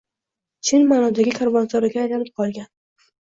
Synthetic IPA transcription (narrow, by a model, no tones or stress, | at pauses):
t͡ʃʰɪnmaːnɒd̪aɡʲɪkʰaɾvɒnzɒɾɪɡʲaːjlanɪp̚qʰɒlˠɡʲan